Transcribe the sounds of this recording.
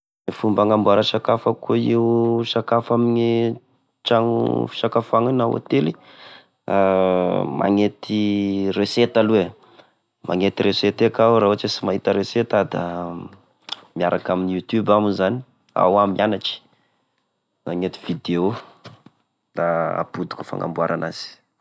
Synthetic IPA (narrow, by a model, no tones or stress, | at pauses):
nefumbaŋambuaɾaʃakafakuiuʃakafamini | t͡ʃaŋṵfi̥ʃakafaŋanawa̰t̪eli | a | mʔa̰ŋet̪ireset̪alue | mʔaŋet̪iɾeset̪ekaɾaɦuat͡ʃesimaɦit̪əɾeset̪ad̪a | mijaɾʔakaminijut̪jubamizani̥ | a̰wamianaʈ͡ʂi̥ | maŋet̪i̥vid̪eo | d̪̥aa̰pud̪u̥ku̥fa̰ŋɡa̰mbuaɾʔanaz̥i̥